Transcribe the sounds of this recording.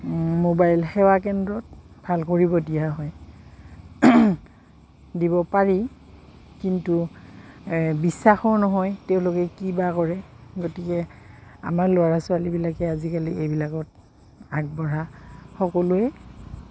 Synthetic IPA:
mobajlxɛwakɛndɹɔt̚ | bʱalkoɹibɔdijaɦɔj | dibɔpaɹi | kintu | bisːaxɔɹnɔɦɔjtɛʊ̃lʊkɛkibakɔɹɛ | ɡotikɛa̰maɹlʊaɹasʊalibilakɛazikaliejbilakɔt̚ | ak̚bɔɹaxɔkɔlʊɛ

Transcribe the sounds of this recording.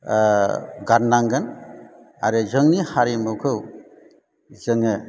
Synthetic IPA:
ɡanːaŋɡan | a̰ɾɯzɯŋnihaɾemɯwkʰɯw | zɯŋɯ

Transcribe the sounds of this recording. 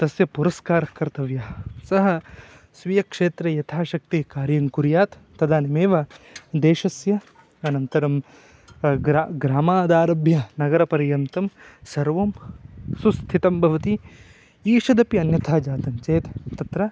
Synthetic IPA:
t̪ɐsjɐpuɾɐskaːɾɐkɐɾt̪ɐʋjaːsɐɦɐ̆ | sʋijɐkʂeːt̪ɾɐjɐt̪ʰaːʃɐk̚t̪ikaːɾjɐŋkuɾjaːt̪ːɐd̪aːnimeːʋɐd̪eːʃɐsjɐ | ɐnɐnt̪ɐɾɐm | ɾaɡɾaːmaːd̪aːɾɐbʱjɐnɐɡɐɾɐpɐɾjɐnt̪ɐmsɐɾʋɐmsust̪ʰit̪ɐmbʱɐʋɐt̪i | iːʃɐd̪ɐpiɐnjɐt̪ʰaːd͡ʒaːt̪ɐnt͡ʃeːt̪t̪ːɐt̪ɾɐ

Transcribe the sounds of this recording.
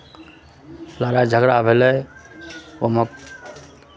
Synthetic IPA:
laɾad͡ʒʱəɡɾabʱelɛj | omək

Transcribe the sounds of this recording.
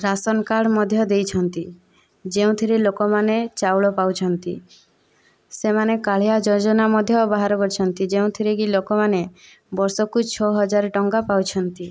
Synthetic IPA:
ɾasɔnkaɽmɔd̪ʱjɔd̪ejt͡ʃʰɔnt̪i | d͡ʒeũt̪ʰiɾelokɔmanet͡ʃawɭɔpawt͡ʃʰɔnt̪i | semanekaɭ̤ijad͡ʒɔɾd͡ʒɔnamɔd̪ʱjɔbaɦaɾɔkɔɾt͡ʃʰɔnt̪id͡ʒeũt̪ʰiɾeɡilokɔmane | bɔɾsɔkut͡ʃʰɔɦɔd͡ʒaɾʈɔŋɡapawt͡ʃʰɔnt̪i

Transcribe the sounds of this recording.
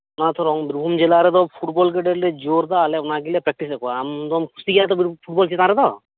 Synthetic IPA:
unat̪ʰɔɾɔŋbiɾbʱumd͡ʒelaɾɛd̪ɔpʰuʈbɔlk̬eɖeɾled͡ʒoɾd̪aleunaɡilepɾɛk̚ʈis̬ɛkuaːmd̪ɔmkʰusiɡijat̪ɔbpʰuʈbɔlt͡ʃit̪ãɾɛd̪ɔ

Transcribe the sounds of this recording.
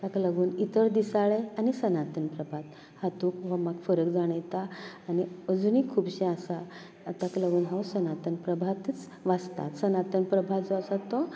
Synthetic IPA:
t̪akləɡuːnit̪əɾd̪isaɭeanisənat̪ənpɾəbʱat̪ | hat̪ukʋamaɡfəɾəkd͡zaɽ̃ajt̪aːniəd͡zunikʰuːbɕɛ̃asaː | t̪akləɡuːnɦãwsənat̪ənpɾəbʱat̪it͡s | ʋast̪a̰t̪sənat̪ənpɾəbʱat͡sɔəsat̪ɔ

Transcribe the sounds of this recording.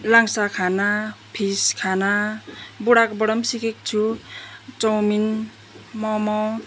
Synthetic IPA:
laŋsakʰanapʰiskʰanabuɽakbɔɽʌmsikek̚t͡sʰu | t͡sʌwmin | mɔmɔ

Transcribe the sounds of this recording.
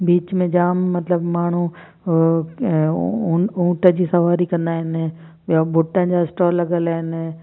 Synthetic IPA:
biːt͡ɕmẽd͡ʑaːmːɐt̪ləbmaːɳ̤u | ũːʈəd͡ʑiːsɐʋaːɾikɐ̃nd̪aːɦɪn | jabʊʈə̃nd͡ʑaːɪsʈɔːɾlɐɡəlaːɦɪn

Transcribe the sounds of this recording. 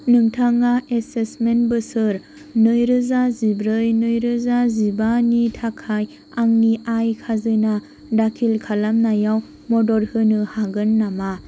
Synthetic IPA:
nɯŋtʰaŋaesesmenbɯsɯɾ | nɯjɾɯzazibɾɯjnɯjɾɯzazibanitʰakʰːaj | aŋniʔajkʰazɯna | dakʰilkʰalamnajaw | mɔdɔɾhɯnɯhaɡɯnːama

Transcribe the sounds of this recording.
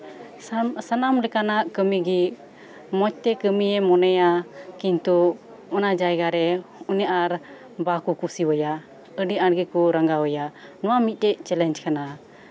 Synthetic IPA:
sanamlɛkanaʔkəmiɡi | mɔt͡ʃ̚t̪ɛkəmijɛmɔnɛjakint̪u | ɔnad͡ʒajɡaɾɛunjʔaɾ | bakukusiwəja | əɖiʔaɽɡikuɾaŋɡawəjanɔwamit̪̚ˀtɛʔ̚t͡ʃɛlɛnd͡ʒkana

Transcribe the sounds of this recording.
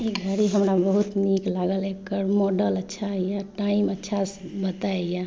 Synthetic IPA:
iɡʱəɾiɦəmɾabəɦut̪niklaɡəlekːəɾmɔɖələtːʃʰajaʈaimətːʃʰasbət̪aeja

